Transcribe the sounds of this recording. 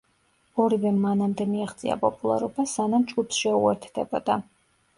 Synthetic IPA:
ɔɾivɛmanamd̪ɛmiaʁd̪zʼḭa̰pʼɔpʼulˠa̰ɾɔbasanamt͡ʃʼɡupsʃɛuɛ̰ɾt̪ʰd̪̥ɛbɔd̪a

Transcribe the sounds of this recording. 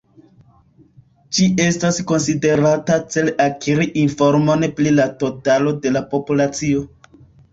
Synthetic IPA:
t͡ʃie̞stasko̞nside̞ɾatat͡se̞lakʰiɾiʔinfoɾmo̞neplilato̞talo̞de̞lapo̞pulat͡sio̞

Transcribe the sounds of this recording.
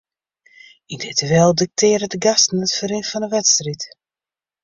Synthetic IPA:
indɪtəʋɛlˠdɪk̚tʰɪːɾədəɡastn̩ətfəɾɪnfɔnəʋɛtstrit

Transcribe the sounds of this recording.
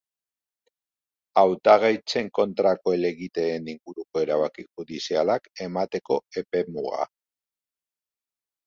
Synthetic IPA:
awt̪aɣajt͡se̞ŋko̞nt̪ɾako̞ele̞ɣit̪e̞ːniŋɡuɾuko̞e̞ɾaβakixuðisialake̞mat̪e̞ko̞e̞pe̞muɣa̰

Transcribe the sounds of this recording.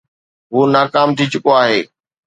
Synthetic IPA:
ɦuːnaːkaːmt̪ʰit͡ɕʊkoaːɦeː

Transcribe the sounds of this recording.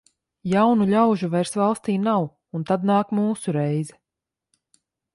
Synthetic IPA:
jawnuʎʲawʒuvajɾsvalˠst̪iːnaw | unt̪ad̪̚naːkmuːsuɾɛjzɛ

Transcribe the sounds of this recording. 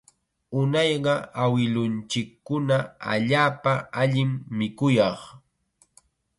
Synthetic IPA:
ʊnɑjɢɑawɪlʊnt͡ʃɪkːʊnaa̰ʎaːpaaʎɪmːɪkʊjɑχ

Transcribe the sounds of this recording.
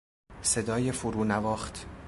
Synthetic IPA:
se̞d̪ɒːjefuɾuːnævɒːχt̪ʰ

